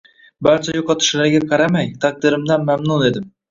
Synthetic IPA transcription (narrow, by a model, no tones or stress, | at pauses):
bæɾt͡ʃʰɛjoqɑt̪ʰɪ̥ʃlaɾɡʲaqʰɑɾamɛjt̪ʰɑq̚d̪ɪɾɪmd̪anmæmnuned̪ɪm